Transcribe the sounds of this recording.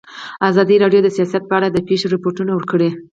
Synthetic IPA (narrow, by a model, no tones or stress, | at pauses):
azɑd̪iɾɑɖjod̪əsijɑsat̪̚pəaɽad̪əpeʃiɾɪpoʈunawəɾkəɽe